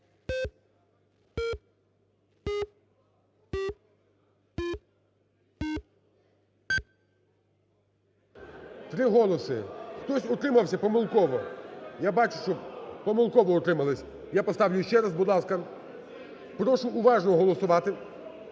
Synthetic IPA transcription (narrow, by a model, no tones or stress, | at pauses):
t̪ɾɪɦɔlˠɔsɪ̰xt̪ɔsʲɔt̪ɾɪmɐwsʲɐpɔmɪlˠkɔʋɔjabɑt͡ʃʊ̥ʃt͡ʃɔpɔmɪlˠkɔʋɔɔt̪ɾɪmɐlˠɪsʲ | japɔst̪ɑwlʲʊjʊʃt͡ʃɛɾɐzbʊd̪lˠɑskɐ | pɾɔʃʊʔːʋɑʒnɔɦɔlˠɔsʊʋɑt̪ɪ